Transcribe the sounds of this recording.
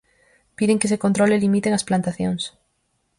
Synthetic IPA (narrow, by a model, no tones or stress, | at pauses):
piðeŋkes̬ekont̪ɾolelimit̪eŋasplant̪aθjoŋs